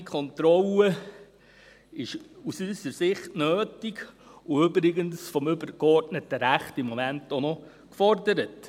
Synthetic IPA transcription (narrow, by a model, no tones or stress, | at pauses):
ikʰχɔntɾɔlə | ɪʃusysəɾsɪχtnøːtɪɡ | uʏbɾɪɡənsfɔmʏbəɾkɔɾtnətəɾæχtɪmːɔmæntonɔ | kfɔrdəɾət